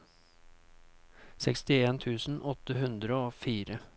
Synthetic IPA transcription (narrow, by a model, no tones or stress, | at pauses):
sɛkst̪ɪeːnt̪ʰʉːsn̩ɔt̪əɦʉnd̪ɾəoːfiːɾə